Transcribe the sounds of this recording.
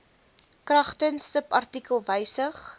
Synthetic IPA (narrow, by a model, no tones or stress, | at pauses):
krɐχtənsəpɐrtikəlˠvəjsəχ